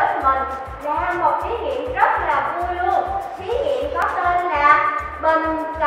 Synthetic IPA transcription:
ə˦˥t̚mï˨˩ŋ̟ | na˨˦haː˧mo˨˩t̚ʔi˨˦ŋḭ˧˨əmzə˦˥t̚laː˨˩vu˧əjlu˧əʔi˨˦ŋḭ˧˨əmkɔ˨˦t̪e˧nlaː˨˩ | ɓə˧˩nka˨

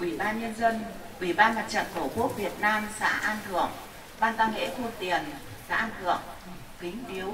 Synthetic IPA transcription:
ʔwʔi˧˩ɓaː˧nɲə˧nzə˧n | ʔwi˧˩ɓaː˧nma˨˩t̚t͡ɕə̰˧˨nkə˧˩wku˦˥ək̚vi˨˩ət̚naː˧msa̰ː˧˥ʔaː˧nt̪ʰɨ˧˩əŋ | ɓaː˧nt̪aː˧ŋŋḛ˧˥xo˧nt̪i˨˩ən | sa̰ː˧˥ʔaː˧nt̪ʰɨ˨˩əŋ | kï˨˦ŋ̟ʔi˨˦əw

